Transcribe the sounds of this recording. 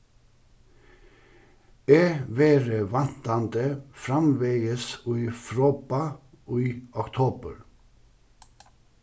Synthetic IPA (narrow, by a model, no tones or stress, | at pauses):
eːʋeːɾəʋɑnt̪ɑnd̪əfɾɑmʋeɪəsyːfɾoːbɑ | iːɔkt̪ʰoːbə̰ɾ